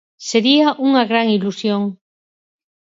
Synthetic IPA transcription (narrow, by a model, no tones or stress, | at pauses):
seɾiaʔuŋaɣɾaŋilusjoŋ